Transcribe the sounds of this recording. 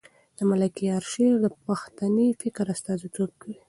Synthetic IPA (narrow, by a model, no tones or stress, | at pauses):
d̪̥əmalakijɑɾʃeɾd̪əpaxt̪anifɪkɾast̪ɑzit̪ob̚kawi